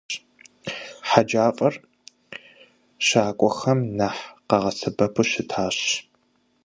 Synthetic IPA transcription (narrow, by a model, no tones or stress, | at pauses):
ħad͡ʒaːqʼɐr | ɕaːkʷʼɔxɐmnaħqɐʁɐsɐbɐpʰʊɕɪtʰaːɕ